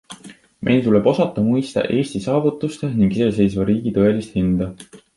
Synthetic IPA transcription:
mʔe̞̰jlt̪ule̞bo̞sɑt̪ːˑɑmujst̪ɑ̰ʔe̞ːsʲt̪isɑːvut̪ːˑust̪e̞niŋɡ̥isese̞jsvɑɾiːɡ̥it̪ɤe̞list̪hind̪̥ɑ

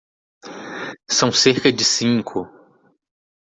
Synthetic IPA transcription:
sɐ̃w̃seɾkɐd͡ʒɪsĩŋkʰʊ

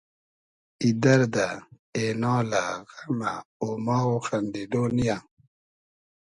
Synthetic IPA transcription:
id̪ɐɾd̪a | enɔːlaɣamaomaɣoxand̪iɖonija

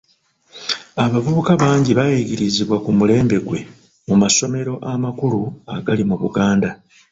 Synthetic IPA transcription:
aβavuβukaβaːɲɟiβajiɟiɾiziβwakumule̞ːmbe̞ɡwe̞ | mumaso̞me̞ɾo̞ʔamakuluaɡalimuβṵɡaːnda

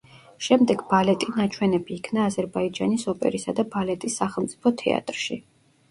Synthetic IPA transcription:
ʃɛmd̪ɛɡbalɛt̪ʼinat͡ʃʰwɛnɛbiːkʰnaːzɛɾbaid͡ʒanisɔpʼɛ̰ɾisad̪abalɛt̪ʼisːaχɛlˠmt̪sʼipʰɔt̪ʰɛ̰a̰t̪ʼɾʃḭ

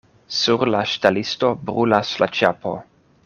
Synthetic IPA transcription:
suɾlaʃtalistobɾulaslat͡ʃapʰo̰

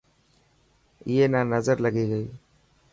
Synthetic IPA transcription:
ɪjeːnanəzəɾləɡiːɡəiː

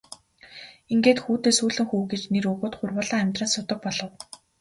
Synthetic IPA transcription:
iŋɡeːt̪xuːt̪eːsuːɮɘ̆ŋxuːɡet͡ɕneɾɵɣoːt̪χʊrwʊːɮaːæmʲt̪rănsʊt̪ə̆k̚pɔɮɞ̆w

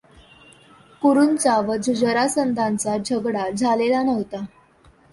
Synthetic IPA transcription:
kuɾunt͡saʋəd͡zʱud͡ʑəɾasənd̪ʱãnt͡sad͡ʑʱəɡɽad͡zʱalelanəʋt̪a

